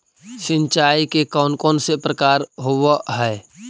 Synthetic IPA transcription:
sɪ̃nt͡ʃaikekɔːnkɔːnsepɾəkaːɾɦoʋəɦɛː

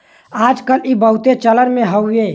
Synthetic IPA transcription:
ad͡ʒkəlibəɦut̪et͡ʃələɾmẽɦəwe

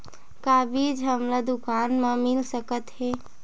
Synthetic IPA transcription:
kabid͡ʒɦəmlad̪ukanmẽmilsəkət̪he

